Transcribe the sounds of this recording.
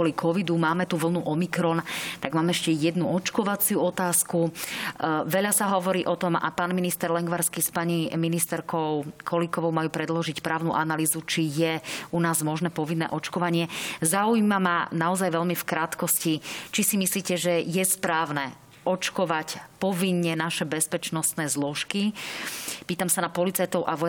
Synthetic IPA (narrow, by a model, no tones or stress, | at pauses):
ɔlikʰɔʋid̪umaːmɛt̪uʋl̩nuʔɔmikɾɔnt̪aɡmaːmɛɛʃcɛjɛd̪nuɔt͡ʃkɔʋat͡sɪuɔt̪aːsku | ʋɛʎasaɦɔʋɔɾiːʔɔt̪ɔma̰paːnminist̪ɛɾlɛŋɡʋaɾskispaɲiminist̪ɛɾkɔʊkʰɔlikɔʋɔʊmajuːpɾɛd̪lɔʒicpɾaːʊnuʔanaliːzut͡ʃijɛunaːzmɔʒnɛːpɔʋinːɛ̰ʔɔt͡ʃkɔʋaɲɪɛzaujmamanaɔzajʋɛʎmifkɾat̪kɔscit͡ʃisimisliːcɛʒɛjɛspɾaːʊnɛ | ʔɔt͡ʃkɔʋacpɔʋiɲːɛnaʃɛbɛspɛt͡ʃnɔst̪nɛːzlɔʃki | piːt̪amsanapɔlit͡sajt̪ɔʊʔaʋɔ